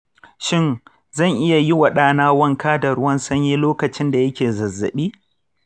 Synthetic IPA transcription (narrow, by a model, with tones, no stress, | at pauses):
ʃɪ˦n | zɐ˦˨ŋʔɪ˦ja˨ji˦wɐ˨ɗaː˦naː˦wɐ˦ŋkaː˦dɐ˨ɾʊ˦wɐ˦nsɐ˦ɲji˦loː˦kɐ˨t͡ʃɪ˦nda˨jɐ˦kʲeː˨zɐ˨zːɐ̰˨ɓiː˦